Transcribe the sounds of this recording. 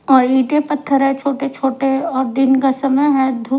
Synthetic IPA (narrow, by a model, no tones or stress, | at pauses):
ɔːɾiːʈepɐt̪ʰːəɾɦɛt͡ʃʰoːʈet͡ʃʰoːʈeɔːɾd̪ɪnkasɐməjɦɛːd̪ʱu